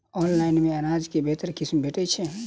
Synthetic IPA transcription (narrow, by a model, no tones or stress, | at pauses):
ɔnlajnmẽənad͡ʒkebʱet̪əɾkismbeʈɛt͡ʃʰɛ